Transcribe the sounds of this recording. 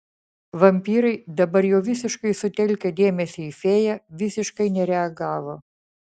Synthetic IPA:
ʋɐmʲpʲiːɾɐɪd̪ɐbɐɾjɛːʋʲɪs̬ʲɪʃkɐɪsʊt̪ʲɛlʲkʲɛd̪ʲeːmʲɛsʲɪifʲeːjæʋʲɪsʲɪʃkɐɪnʲɛɾʲɛɐɡɑːʋoː

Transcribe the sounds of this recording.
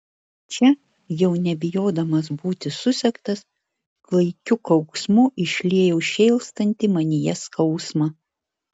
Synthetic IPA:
t͡ʃʲɛ | jɛʊnʲɛbʲɪjoːd̪ɐmɐs̬buːt̪ʲɪsʊsʲɛkt̪ɐs | klˠɐɪkʲʊkɐʊksmʊʔɪʃʲlʲiɛjɛʊʃʲeːlˠst̪ɐnʲt̪ʲimɐnʲɪjɛskɐʊsmɐ

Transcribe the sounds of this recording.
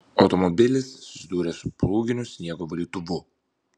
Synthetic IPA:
ɔ̰t̪ɔmɔbilʲisssd̪uɾɛspɾuɡʲinusɲɛɡɔvɔlʲit̪ubu

